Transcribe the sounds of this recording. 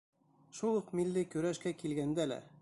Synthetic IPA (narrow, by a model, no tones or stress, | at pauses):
ʃulˠɤqmilːikʉɾæʃkækilɡænd̪ælæ̰